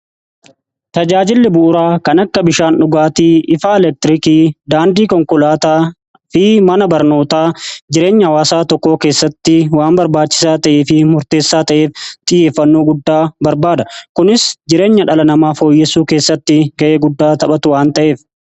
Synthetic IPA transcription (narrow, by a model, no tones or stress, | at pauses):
t̪ɐd͡ʒaːd͡ʒɪlːɪbʊʔːɾaːkɐnɐkːɐbɪʃaːnᶑʊɡaːt̪iːʔɪfaːɛlɛk̚t̪ɪɾɪkiːd̪aːnd̪iːkɔŋkʊlaːt̪aː | fɪmɐnɐbɐɾno̞ːt̪aːd͡ʒɪɾe̞ːɲːɐɐwaːsaːt̪ɔkːo̞ːke̞ːsːɐt̪ːɪwaːmbɐɾbaːt͡ʃːɪ̥saːt̪ɐʔeːfɪmʊɾt̪e̞ːsːaːt̪ɐʔe̞ːft̪ʼɪjːeːfːɐnːo̞ːɡʊd̪ːaːbɐɾbaːd̪ɐkʊnɪsd͡ʒɪɾe̞ːɲːɐᶑɐlɐnɐmaːfo̞ːjːɛsuːke̞ːsːɐt̪ːɪɡɐʔe̞ːɡʊd̪ːaːt̪ɐɓɐt̪ʊwaːnt̪ɐʔe̞ːf